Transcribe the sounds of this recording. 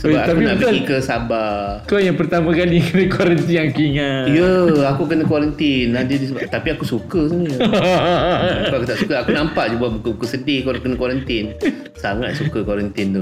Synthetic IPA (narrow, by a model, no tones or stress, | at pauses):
səbapaakunãbiikəsaba | kojaŋpərt̪amãkalikənəkwɔɾənt̪iakiŋaijəakukənəkwɔɾənt̪inad͡ʒudisəbat̪apiakusukəsəɲə | akuakut̪aʔsu̥kəakunampaʔd͡ʒubabukubukəsədɪhkoɾkənə̃kwɔɾənt̪ɪn | saŋa̰t̪̚sukəkwɔɾənt̪int̪u